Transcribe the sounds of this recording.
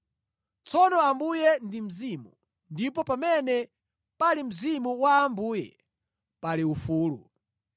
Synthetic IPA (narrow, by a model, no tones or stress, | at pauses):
t͡sʰɔnɔambujɛndim̩zimṵ | ndipɔpamɛnɛ | palim̩zimuwaːmbuːjɛ̰ | paliufuːlṵ